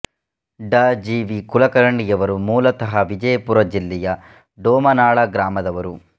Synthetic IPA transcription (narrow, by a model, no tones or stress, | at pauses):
ɖaːd͡ʒiːʋikulɐkɐɾɐɳɖijɐʋɐɾumuːlɐt̪ɐɦɐʋid͡ʒɐjɐpuɾɐd͡ʒilːɛjɐ | ɖoːmɐnaːɭɐɡɾaːmɐd̪ɐʋɐɾu